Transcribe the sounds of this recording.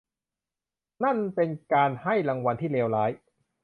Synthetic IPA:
na˥˩npe˧nkaː˧nha˥˩jɾa˧ŋwa˧nt̪ʰiː˥˩leː˧wlaː˦˥j

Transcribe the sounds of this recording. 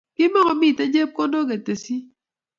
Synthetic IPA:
kɪ˦mɔ˦ŋɔ˨mi˦˨te˦d͡ʒe˦p̚ko˦do˦k̬e˨te˨si˦

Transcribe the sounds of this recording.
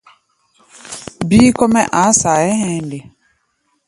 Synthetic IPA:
biː˦ko˦mɛ˦ʔa˨˦sa˨ɛ˦ɦɛ̃˦nde˨

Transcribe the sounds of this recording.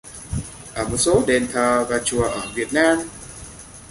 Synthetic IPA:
ʔəː˧˩mo˨˩t̚so˨˦ɗe˨˩nt̪ʰəː˨˩vaː˨˩t͡ɕu˨˩əʔəː˧˩vi˨˩ət̚naː˧m

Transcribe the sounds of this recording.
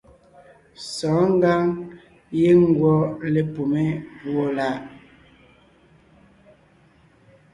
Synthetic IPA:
sɔː˨˦ŋ˦ɡa˦ŋ | je˦ŋ˦ɡwɔ˦le˦po˨me˦vwo˦la˦˨ʔ

